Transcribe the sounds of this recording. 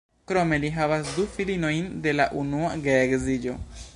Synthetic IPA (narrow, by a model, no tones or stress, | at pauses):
kɾo̞me̞liɦavasdufilino̞jnde̞la̰ʔunuaɡeːɡzid͡ʒo̞̰